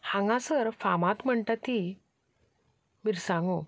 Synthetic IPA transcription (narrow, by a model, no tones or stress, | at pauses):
hãŋɡãsəɾfamãt̪m̤əɳʈ̪at̪ːi | miɾsãŋɡo